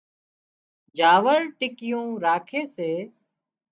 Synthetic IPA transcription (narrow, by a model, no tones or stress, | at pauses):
d͡ʒʱaːʋəɾʈɪkɪjõːɾaːkʰeːseː